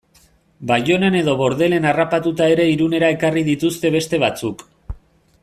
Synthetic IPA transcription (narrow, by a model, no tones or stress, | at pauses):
bajo̞ne̞ne̞ðo̞βo̞ɾðe̞le̞narapat̪ut̪ae̞ɾe̞iɾune̞ɾae̞karið̞it̪ust̪e̞β̞e̞st̪e̞β̞at͡suk